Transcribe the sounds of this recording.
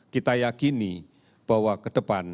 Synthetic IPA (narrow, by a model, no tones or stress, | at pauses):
kit̪ajakini | b̥a̤wakəd̥əpan